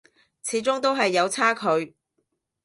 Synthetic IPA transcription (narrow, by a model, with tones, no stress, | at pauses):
t͡sʰiː˨˥t͡sʊ˥ŋt̪o˥wɦɐ˨jːɐ˨˧wt͡sʰaː˥kʰɵ˨˧ɥ